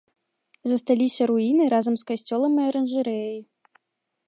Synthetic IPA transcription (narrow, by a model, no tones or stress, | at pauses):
zɐst̪alʲisʲɐɾuinɨɾazɐmskasʲt͡sʲɔlˠɐmɛɐɾɛnʐɨɾɛji